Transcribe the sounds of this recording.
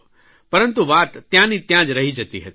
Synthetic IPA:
pɐɾə̃nt̪uʋaːt̪ːjãːnĩt̪jãːd͡ʒɾɐɦid͡ʒɐt̪iɦɛ

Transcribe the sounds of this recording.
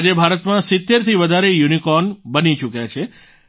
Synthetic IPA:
d͡ʒebʱaɾət̪mãsɪt̪ːeɾt̪ʰiʋəd̪ʱaɾejunikɔnbənit͡ʃukjat͡ʃʰe

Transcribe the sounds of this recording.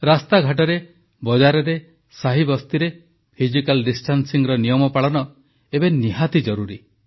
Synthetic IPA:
ɾast̪aɡʱaʈ̬ɔɾe | bɔd͡ʒaɾɔɾe | saɦibɔst̪iɾe | pʰid͡ʒikalɖisʈʰansiŋɾɔnijɔmɔpaɭɔnɔ | ebeniɦat̪id͡ʒɔɾuɾi

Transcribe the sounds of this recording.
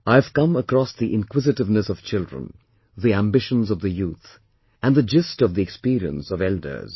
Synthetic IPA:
aɪɨv̥kʌ̃məkɾɔsðiʔɪ̃nkwɪzɨtɨvnɨsʌv̥t͡ʃɪldɹə̰̃n | ðiæ̃mbɪʃə̃nzʌvðɨjuθ | æ̃nðɨd͡ʒɪstʌvðiɛkspiɾiə̰̃nsʌvɛldə̰˞z̥

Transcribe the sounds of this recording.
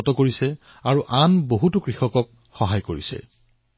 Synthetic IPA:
ɔtɔkoɹisɛ | aɹuʔanboɦutukɹixɔkɔk̚ | xɔɦajkoɹisɛ̰

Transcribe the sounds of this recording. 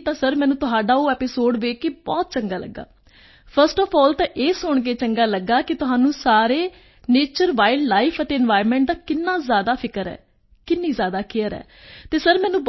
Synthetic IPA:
t̪ãːsəɾmɛːnũːt̪ʊɦaːɖaːoːɛːpɪsoːɖʋeːkeːbɔːt̪̚t͡ʃəŋɡaːlə̰ɡːa̰ː | pʰəɾsʈɔːpʰɔːlt̪ãːʔeːsʊɳɡeːt͡ʃəŋɡaːləɡːaːkɪt̪ʊɦaːnũːsaːɾeː | neːt͡ʃəɾʋaːɪllaːɪpʰət̪eːɪnʋaːɪɾmɛ̃ːɳʈ̚d̪aːkɪnːãːzjaːd̪aːpʰɪkəɾɛ̰ː | kɪnːiːzjaːd̪aːkʰɪəɾɛ̰ː | t̪eːsəɾmɛ̃ːnũːb

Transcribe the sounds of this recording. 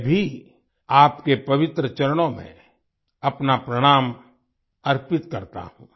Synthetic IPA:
bʱi | aːpkepɐʋɪt̪ɾət͡ʃɐɾəɽ̃õmḛ̃ | ɐpnapɾɐɽ̃aːm | ɐɾpɪt̪kɐɾt̪a̰ɦũː

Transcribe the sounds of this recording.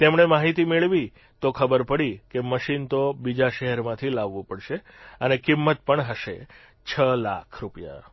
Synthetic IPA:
t̪emɳemaɦit̪imeɭʋi | t̪okʰəbəɾpəɽikeməʃint̪obid͡ʒaʃɛɦɛɾmãt̪ʰilaʋːũpəɽʃe | ənekɪmːət̪̚pəɳɦəʃe | t͡ʃʰəla̰kʰɾupija̰

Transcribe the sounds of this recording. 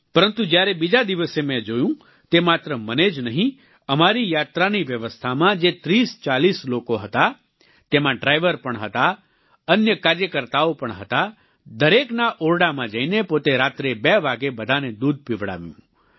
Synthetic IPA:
pəɾənt̪ũd͡ʒjaɾebid͡ʒad̪iʋəsemɛ̃d͡ʒojũ | t̪emat̪ɾəməned͡ʒnəɦĩ | əmaɾijat̪ɾaniʋjəʋəst̪ʰamãd͡ʒet̪ɾist͡ʃalislokoɦət̪a | t̪emãɖɾajʋəɾpəɳɦət̪a | ənjəkaɾjəkəɾt̪aopəɳɦət̪a | d̪əɾeknaʔoɾɽamãd͡ʒəinepot̪eɾat̪ɾebeʋaɡebəd̪ʱaned̪ud̪̚ʱpiʋɽa̰ʋjṵ̃

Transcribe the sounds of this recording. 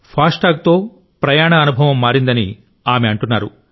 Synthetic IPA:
pʰaːsʈaːk̚t̪o̞ː | pɾɐjaːɳɐːnubʱɐʋɐmːaːɾind̪ɐnḭ | aːmeɐɳʈunːaːɾṵ

